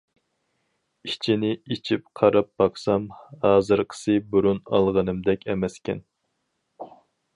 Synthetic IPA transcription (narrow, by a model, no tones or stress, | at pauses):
it͡ʃʰinɪit͡ʃʰip̚qʰɑɾɑp̚b̥ɑqsɑmhɑːzɨɾqʰə̥sɨbuɾunɑ̰lˠʁɑnɨmd̪ɛkʲʰɛmɛskʲɛ̰n